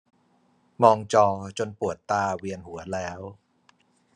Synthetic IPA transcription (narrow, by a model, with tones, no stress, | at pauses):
mɔː˧ŋt͡ɕɔː˧t͡ɕo˧npu˨˩ət̪ːaː˧wi˧ənɦu˩˦ɐlɛː˦˥w